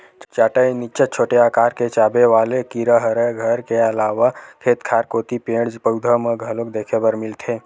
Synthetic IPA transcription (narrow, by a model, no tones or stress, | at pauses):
t͡ʃaːʈəjnit͡ʃət͡ʃʰoːʈeaːkaːɾket͡ʃaːbeʋaːlekiɾəɦəɾəɡʱəɾkeəlaːʋakʰeːt̪kʰaːɾkoːt̪ipẽːɽd͡ʒpəʊd̪ʱəmeɡʱəlok̚d̪eːkʰebəɾmɪlt̪ʰeː